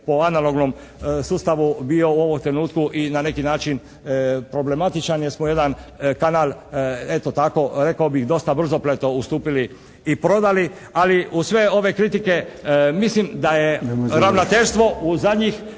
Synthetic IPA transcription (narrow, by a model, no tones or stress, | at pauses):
poanaloɡnom | suːst̪aʋubio̞uo̞ʋomt̪ɾenuːt̪kuʔinane̞kinaːt͡ʃin | pɾo̞ble̞mat̪it͡ʃanjesmoje̞d̪ankanaːlˠe̞t̪ot̪ako̞ɾe̞kaobixd̪o̞st̪abr̩zo̞plet̪o̞ust̪uːpiliː | pɾo̞d̪ali | aliusʋe̞o̞ʋe̞kɾit̪ike̞mislimd̪ajeɾaʋnot̪e̞ʎst̪ʋo̞uzad̪ɲix